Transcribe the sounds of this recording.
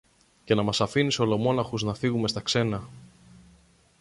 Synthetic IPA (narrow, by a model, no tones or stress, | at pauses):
ce̞nɐmɐsɐfiniseo̞lo̞mo̞nɐxuznɐfiɣume̞st̪ɐkse̞nɐ